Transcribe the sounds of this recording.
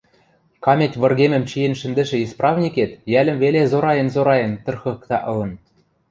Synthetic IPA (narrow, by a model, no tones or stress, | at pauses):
kɑmʲetʲβɤ̆rɣemɘ̆mt͡ɕijĕnʃɘ̆nd̪ɘ̆ʃɘ̆isprɑvnʲiket̪jælʲɘ̆mvelezoɾɑjɤ̆nzoɾɑjɤ̆nt̪ɤ̆rxɤ̆kt̪ɑʔɤ̆lɤ̆n